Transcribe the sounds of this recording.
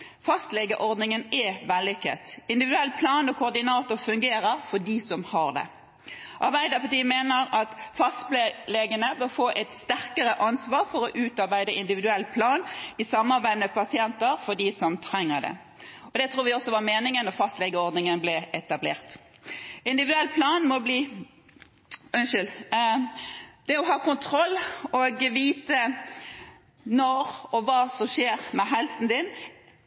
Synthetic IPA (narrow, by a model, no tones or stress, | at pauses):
fɑst̪lɛɡəʔɔɾd̪nɪŋənɛʋɛlːɪkːə̰t̪ɪnd̪ɪʋɪd̪ʉɛlːpʰlɑːnɔkʰʊːʁd̪ɪnɑːt̪ʊɾfʉŋɡeːɾəɾfɔɖisɔmhɑɾd̪ɛ̰ | ʔɑɾbæɪd̪əpɑt̪iːəmeːnəɾɑt̪fɑst̪lleɡənəbəfoːʔɛt̪st̪æʁkəɾəʔɑnsʋɑːɾfɔɾɔʔʉːt̪ɑɾbæɪd̪əʔɪnd̪ɪʋɪd̪ʉɛlːpʰlɑːnɪsɑmːɑɾbæɪmɛpʰɑsɪɛnt̪əɾfɔɖiːsɔmt̪ʰɾɛŋːəɾd̪ɛ̰ | ɔd̪ɛt̪ʰɾuːɾʋɪɔsːɔʋɑɾmeːnɪŋənɔfɑst̪lɛɡəɔɾd̪nɪŋənblɛʔɛt̪ɑblḛːʁt̪ | ɪnd̪ɪʋɪdʉɛlːpʰlɑːnmɔbliː | ʉnʃʏl | d̪̥ɛɔɦɑːkʊnt̪ʰɾɔlːoːɡʋiːt̪ə | nɔɾɔʋɑːsɔmʃeːʁmɛɦɛlsn̩d̪ɪn